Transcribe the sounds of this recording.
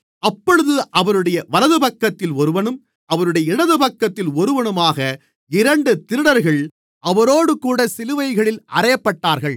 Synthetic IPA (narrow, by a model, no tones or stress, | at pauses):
ʔɐpːɔɻɯðɯʔɐʋɐɾɯɽɐjɐʋɐlɐðɯpɐkːɐt̪ːɪlɔɾɯʋɐɳɯm | ʔɐʋɐɾɯɽɐjɐɪɽɐðɯpɐkːɐt̪ːɪlɔɾɯʋɐɳɯmaːɣɐ | ɪɾɐɳɖɯt̪ɪɾɯɽɐɾɣɐɭ | ʔɐʋɐɾoːɽɯkuːɽɐsɪlɯʋɐɪɣɐɭɪlʔɐ̰rɐjɐpːɐʈːaːɾɣɐɭ